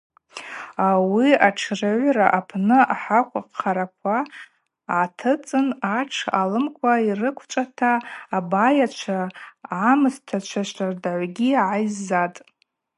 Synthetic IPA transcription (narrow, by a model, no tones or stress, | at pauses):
awiaʈ͡ʂʰrɨʕʷɾa̰ʔapʰnɨaħakʷʰaqːaɾakʷʰaː | tʰɨt͡sʼɨnaʈ͡ʂʰalɨmkʷʰairɨkʷʰt͡ʃʷʼatʰaːbajat͡ʃʷʰaamɨztʰat͡ʃʷʰaʃʷardaʕʷɡʲiʕajzːatʼ